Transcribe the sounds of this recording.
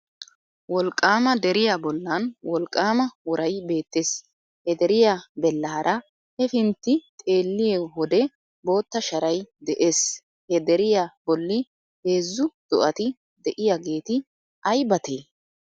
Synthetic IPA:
wɔlkʼːaːmɐd̪ɛɾɪjabɔlːɐnwɔlkʼːaːmɐwɔɾɐjbe̞ːt̪ːeːs | hɛd̪ɛɾɪjabɛlːɐhɐɾʔɐ | hɛfɪnt̪ːɪt̪ʼe̞ːlːɪjewɔd̪ɛ | bo̞ːt̪ːɐʃɐɾɐjd̪ɛʔe̞ːs | hɛd̪ɛɾɪjabɔlːɪ | he̞ːzːʊd̪̥ɔʔɐt̪ɪ | d̪ɛʔɪjaɡe̞ːt̪ɪ | ɐjbɐt̪eː

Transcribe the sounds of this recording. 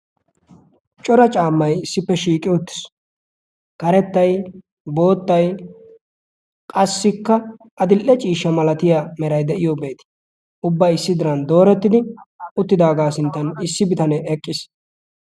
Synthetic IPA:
t͡ʃʼɔɾɐt͡ʃʼaːmːɐjɪsːɪpːɛʃiːkʼɪjɔt̪ːɪ̥s | kɐɾɛt̪ːɐj | bo̞ːt̪ːɐj | kʼɐsːɪkːɐ | ɐd̪ɪlʔːɛt͡ʃʼiːʃːɐmɐlɐt̪ɪjamɛɾɐjd̪ɛʔɪjobe̞ːt̪ɪ̥ | ʔʊbːɐjɪsːɪd̪ɪɾɐnd̪o̞ːɾɛt̪ːɪd̪ɪʊt̪ːɪd̪aːɡaːsɪnt̪ːɐnɪsːɪbɪt̪ɐnɛʔɛkʼːɪs

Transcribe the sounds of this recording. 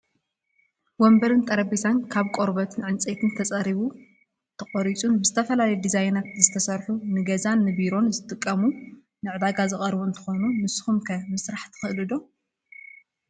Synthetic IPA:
wɔmbɐɾɨnt̪ʼɐɾɐbizankʰaβkʼoɾbɐt̪ʰɨnʕɨnt͡sʼet̪ʰɨnt̪ʰɐt͡sʼɐɾiβu | t̪ʰɐχʼoɾit͡sʼunbɨzɨt̪ʰɐfɐlalɐjd̪izajnat̪zɨt̪ʰɐsɐɾħunɨɡɐzanːɨbiɾo̞nzɨt̪ʼɨkʼːɐmu | nɨʕɨd̪aɡazɨχʼɐɾbuɨnt̪ʰɨ̥xo̞numɨsxumkʰɐmɨsɾaħt̪ʰɨ̥xɨʔlɨd̪o

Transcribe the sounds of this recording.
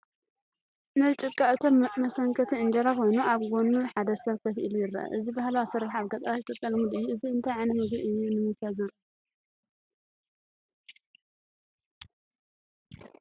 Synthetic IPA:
najt̪ʼɨkʼːaʔɨt̪ʰo̞mmɐsɐŋkʰɐt̪ʰiɨnd͡ʒɐɾako̞jnuʔaβɡo̞nːuħad̪ɐsɐβkʰɐfʔḭlujɪrːɐ̰ʔɐ̰ʔɨzibahalawsɐɾaħaβɡɐt̪ʼɐaɨt̪ʼɨkʼːɐlmud̪ɨjːuʔɨziɨnt̪ʰajʕanɐmɨɡiʔɨjːunɨmɨsazɐɾu

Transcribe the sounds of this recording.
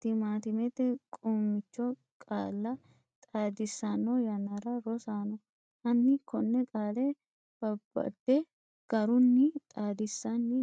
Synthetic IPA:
t̪ːɪmaːt̪ɪmɛt̪ːɛkʼuːmːɪt͡ʃːɔ | kʼa̰ːlːɐ | t̪ʼaːd̪ɪsːanːɔjɐnɐɾɐɾɔsaːnɔ | ɐnːɪkɔnːɛkʼaːlɛ | b̥ɐbːɐ̰d̪ːɛ | ɡ̥ɐɾʊnːɪt̪ʼaːd̪ɪsːɐanːɪ

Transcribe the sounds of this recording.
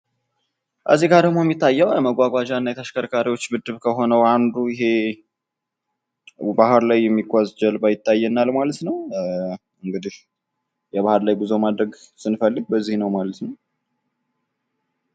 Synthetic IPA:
ʔə̰zːiɡad̪əɡmoɛmːit̪ʰːajːəwjɛməɡʷaɡʷaʒanːajɛt̪ʰəʃkəɾkʰaɾiwo̞t͡ʃːbɨd̪ːɨβkʰəɦo̞nəwand̪uɪɦe̞ | bahɨɾlajːɛmːiɡʷʼazd͡ʒəlbajɪt̪ːajːɛnːalmalət̪nəw | ɨŋɡɨd̪ih | jɛβahɨɾlajbuzomad̪ɾəɡsɨnfəlːɨɡ̚bəzːihnəwmalət̪nəw

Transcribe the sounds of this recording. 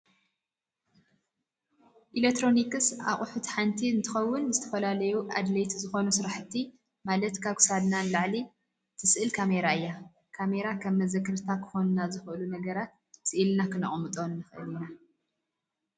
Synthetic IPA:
ʔilekt̪ɾo̞nikɨsʔa̰χʼʊħut̪ħant̪ʰiɨnt̪ʰɨxɐwːʊnzɨt̪ʰɐfɐlalɐjuʔa̰d̪let̪zɨxo̞nusɨɾaħɨt̪ʰːi | malɐt̪kʰaβkʰɨ̥sad̪nanlaʕli | t̪ʰɨsɨʔɨlkʰameɾaɨjːa | kʰame̞ɾakʰɐmːɐzɐkːɨɾt̪ʰakʰɨ̥xo̞nnazɨxʔɨlunɐɡɐɾat̪ | sɨʔilnakʰɨnɨ̰χʼmɨt̪ʼo̞nːɨxɨʔɨlina

